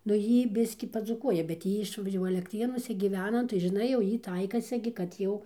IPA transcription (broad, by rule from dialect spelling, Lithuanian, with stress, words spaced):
nʊ ˈjiː ˈbʲɪsʲkʲiː pɐd͡zuːˈkuɔjɛ bʲɛt ˈjiː ɪʃ jɛʊ ɐlʲɛkˈtʲrʲeːnuɔsʲɛ ɡʲiːˈʋʲæːnɐ nʊ tɐɪ ʒʲɪˈnɐɪ jɛʊ ˈjiː ˈtɐɪkɐsʲɪ ɡʲɪ kɐt ˈjɛʊ